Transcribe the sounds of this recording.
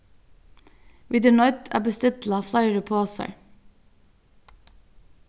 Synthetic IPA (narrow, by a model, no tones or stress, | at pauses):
wʔɪd̪ənɔʏt̪ʰæ̰ːbəst̪ɪt̪l̩ɑflɑɪɾəpʰoːsə̰ɹ